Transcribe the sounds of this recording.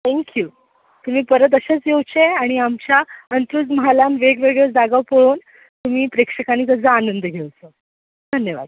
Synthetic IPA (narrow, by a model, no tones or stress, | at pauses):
t̪ʰɛŋkjuː | t̪um̤iːpəɾət̪̬əɕet͡sjewt͡ɕeaɽ̃iamt͡ɕjaənt̪ɾuːd͡zməɦalanʋeɡʋeɡɭet͡sd̪aɡawpoɭuːn | t̪um̤iːpɾekʂəkanit̪əd͡zaanənd̪əɡʱewt͡səː | d̪ʱənjəʋa̰d̪